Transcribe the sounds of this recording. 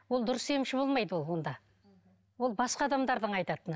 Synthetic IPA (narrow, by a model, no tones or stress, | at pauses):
wolˠd̪ʊɾəse̞mʃɪbo̞lˠmɑjd̪əwo̞lˠwo̞nd̪ɑ | wo̞lˠbɑsqɑd̪ɑmd̪ɑɾd̪əɴɑjt̪ɑt̪ən